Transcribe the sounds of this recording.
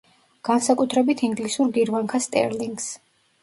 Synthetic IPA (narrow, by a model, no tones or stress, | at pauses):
ɡ̥ansakʼut̪ʰɾɛbit̪ʰiŋɡlisuɾɡiɾvaŋkʰast̪ʼɛ̰ɾliŋɡs